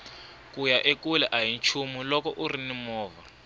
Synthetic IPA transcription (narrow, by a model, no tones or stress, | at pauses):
kujaʔekulɛʔaɦint͡ʃʰumilɔkɔʔurinimɔːva